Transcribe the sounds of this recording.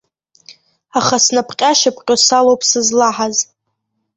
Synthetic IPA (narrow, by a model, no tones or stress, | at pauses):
aχasnapʰqʲʼaʃapʰqʲʼosalowpʼʰsɨzlaħaz